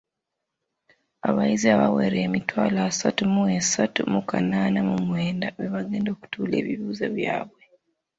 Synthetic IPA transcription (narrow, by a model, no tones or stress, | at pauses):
aβaiziaβaweɾe̞ːmitwaːlaːsatumuesatumukanaːnamumweːndaβeβaɡe̞ːndo̞ːku̥tuːle̞ːβiβuːza̰βjaːβwe̞